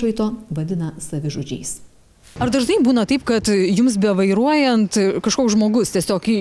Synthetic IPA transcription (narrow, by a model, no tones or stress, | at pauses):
ʋɐɪt̪oːʋɐd̪ʲɪnɐsɐʋʲɪʒoːd͡ʒʲɛɪs | ɐɾd̪ɐʒnɐɪbuːnɐt̪ɐɪpkɐt̪jʊms̬bʲɛʋɐɪɾuɔjɛnt̪kɐʃkoːksʒmoːɡʊst̪ʲiɛsʲoːk